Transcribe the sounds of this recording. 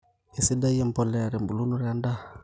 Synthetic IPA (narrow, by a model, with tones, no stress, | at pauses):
e˨si˦da˦je˦m˨pɔ˨lɛ˦a˨ɾe˨mbu˨lu˦nu˦ɾa˦nda˦˨